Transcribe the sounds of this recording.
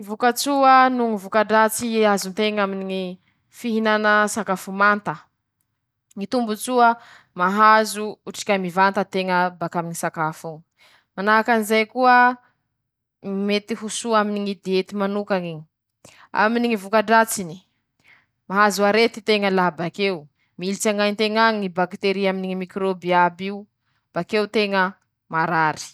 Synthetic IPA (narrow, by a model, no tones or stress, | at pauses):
ivukət͡suənuŋivukaɖ͡ʐat͡siazunt̪eŋaminiŋi | fiɦinanəsakafumant̪ə | ŋit̪umbut͡suə | maɦazuuʈ͡ʂi̥kʲamivant̪ət̪eŋəbakaminisakafuŋ | manaakanizajkuə | met̪iɦusuaminiŋid̪eet̪imanukaŋiɲi | a̰miniŋivukaɖ͡ʐat͡sini̥ | maɦazuaɾet̪it̪eŋəlabakew | milit͡saŋajnt̪eŋaŋibakt̪eɾiaminiŋimikɾobiabiu | b̥akewt̪eŋə | maɾaɾi̥